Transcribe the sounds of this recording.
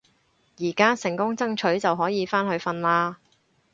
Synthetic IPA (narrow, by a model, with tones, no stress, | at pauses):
jiː˨˩kaː˥sɪ˨˩ŋkʊ˥ŋt͡sɐ˥ŋt͡ʃʰɵ˨˥ɥt͡sɐ˨wɦɔː˨˥jiː˨˧faː˥nɦɵ˨˧ɥfɐ˧nlaː˧